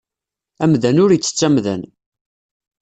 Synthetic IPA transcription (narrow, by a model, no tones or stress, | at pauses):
æmðænʊɾət͡sːə̥t͡sːæmðæ̰n